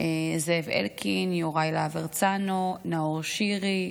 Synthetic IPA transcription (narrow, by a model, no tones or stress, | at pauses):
ezevḛlkʰinjoʁajlaveʁt͡sanonaoʁʃiʁi